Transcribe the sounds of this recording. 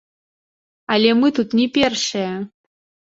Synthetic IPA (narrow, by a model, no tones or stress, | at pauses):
alʲemɨt̪ut̪nʲipʲerʂɐjɛ